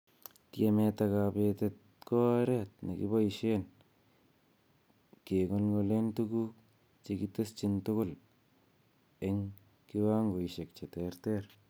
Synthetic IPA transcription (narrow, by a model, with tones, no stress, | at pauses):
ti˦e˨me˧ta˧ka˨pe˧te˧t̚ | ko˦ɾe˦t̚na̰˨kḭ˦bo˦i˨ʃe˦n | ke˨ŋo˦lɡo˧le˦ntu˦ku˦ | t͡ʃe˧ki˦to˦st͡ʃi˦ntʊ˦kʊ˦l | e˨ŋ | ki˦wa˦ŋɡo˨i˨ʃe˨k̚t͡ʃe˨te˨ɾte˦ɾ